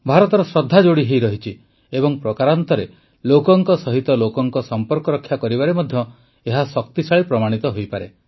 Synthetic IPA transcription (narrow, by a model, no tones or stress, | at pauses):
bʱaɾɔt̪ɔɾɔsɾɔd̪ʱːad͡ʒoɽiɦejɾɔɦit͡ʃʰi | ebɔŋpɾɔkaɾant̪ɔɾe | lokɔŋkɔsɔɦit̪ɔlokɔŋkɔsɔmpɔɾkɔɾɔkʰːjakɔɾibaɾemɔd̪ʱjɔ | eɦasɔkt̪isaɭipɾɔmaɽ̃it̪ɔɦojpaɾḛ